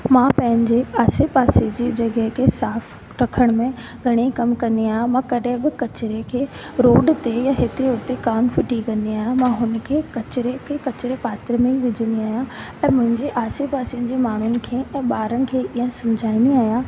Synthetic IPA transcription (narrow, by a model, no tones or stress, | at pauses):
mãːpɐ̃ɦɪ̃ɲd͡ʑeaːsepaːsed͡ʑiːd͡ʑɐɡəɦkʰeːsaːf | ɾɐkʰəɽ̃mẽ | ɡʱɐɽ̃ekɐmkɐ̃nd̪iaːɦjãmãːkɐɗɦɪ̃bɪkɐt͡ɕɾekʰeː | ɾoːɖt̪ejãɦɪt̪eʊt̪ekaːnfɪʈikɐ̃nd̪iaːɦjãmãːɦʊn̆kʰeːkɐt͡ɕɪɾekʰekɐt͡ɕɪɾepaːt̪əɾmẽiʋɪd͡ʑʱə̃nd̪iaːɦijãɛ̃ːmʊ̃ɦɪ̃ɲd͡ʑeʔaːsepaːsiənɪ̆d͡ʑeːmaːɳ̤ʊnɪ̆kʰeːɛ̃ːɓaːɾənɪ̆kʰeːʔiːə̃sɐ̃md͡ʑʱaːĩnd̪iaːɦijãː